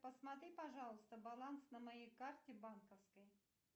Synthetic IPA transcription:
pəsmɐt̪ɾʲipɐʐɑlˠəst̪əbɐlˠansnəmɐjejkartʲɪbankəfskəj

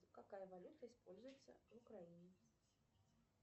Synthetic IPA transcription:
kakajɐvalʲut̪ɐispɔlʲzʊjɛt̪sːɐ̰vukɾajinʲɛ

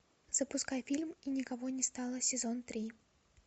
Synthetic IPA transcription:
z̥əpʊskajfʲilʲminʲɪkɐvonʲɪst̪ɑlˠəsʲɪzont̪ɾʲi

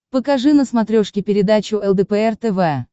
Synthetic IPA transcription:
pəkɐʐɨnəsmɐt̪ɾʲoʂkʲɪpʲɪɾʲɪd̪at͡ɕʊɛlˠd̪əpɛɛrt̪ɛvɛ

